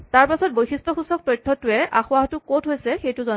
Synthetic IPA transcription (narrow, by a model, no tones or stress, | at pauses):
taɹpasɔt̚bojsistʰɔxusɔk̚tɔjtʰːɔtʊɛʔaxʊaɦtʊkotʰɦojsɛxejtʊzɔ